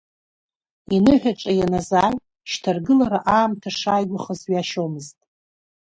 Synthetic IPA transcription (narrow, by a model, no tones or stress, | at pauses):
inɨħʷᶣaʈ͡ʂʼajanazaːj | ʃtʰarɡɨlaɾaʔaːmtʰaʂaːjɡʷʊχəzɥaʃomɨztʼ